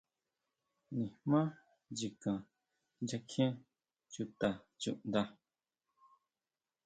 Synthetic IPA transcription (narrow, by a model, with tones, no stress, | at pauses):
nĩ˨mã˦ | d͡ʒi˨kã˨ | d͡ʒa˧kʰɛ̃˦ | t͡ʃu˦˨t̪a˨t͡ʃṵ˨ʔnd̪a˧